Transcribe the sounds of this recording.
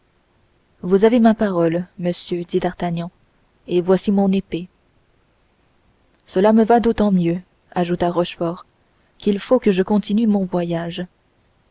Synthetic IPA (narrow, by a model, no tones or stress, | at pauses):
vuzavemapaʁɔlməsjød̪id̪aʁt̪aɲɑ̃ | evwasimɔ̃nepe | səlaməvad̪ot̪ɑ̃mjø | aʒut̪aʁɔʃfɔʁ | kʲilfokəʒəkɔ̃t̪inymɔ̃vwajaʒ